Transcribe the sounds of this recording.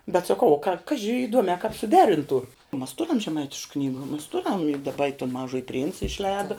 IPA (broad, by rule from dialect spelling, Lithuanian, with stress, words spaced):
bʲɛt sɐˈkɐʊ ˈkɑːʒʲɪ iːˈduɔmʲɛː kɑːp sʊˈdʲæːrʲɪntuː mɐs ˈtʊrʲɛm ʒʲɛˈmɐɪtʲɪʃk ˈknʲiːɡʊ mɐs ˈtʊrʲɛm ɪ dɐˈbɐ toːn ˈmɑːʒuɔjɪ pʲrʲɪnt͡s ɪʃʲˈlʲɛːdɐ